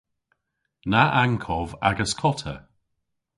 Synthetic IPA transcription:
naʔaŋkʰɔva̰ɡəskʰɔtʰə̰

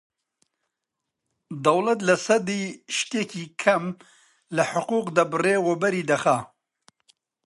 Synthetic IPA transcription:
d̪ɐwlɐt̪lɐsɐd̪iːʃt̪eːkiːkʰɐm | lɐħʊquːqd̪ɐbɨreːwobɐɾiːd̪ɐxa

